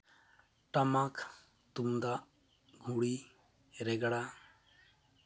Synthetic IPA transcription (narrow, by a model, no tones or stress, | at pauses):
ʈamak | t̪umd̪aʔ | ɡʱuɽi | ɾɛɡɽa